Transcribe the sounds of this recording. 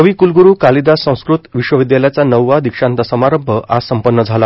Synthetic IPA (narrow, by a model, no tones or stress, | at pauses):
əʋiːkulɡuɾuːkalid̪asə̃w̃skɾut̪ʋiʂʋəʋid̪jaljat͡sanəwːad̪ikʂãnt̪asəmaɾəmbʱəʔasəmpənːəd͡zʱala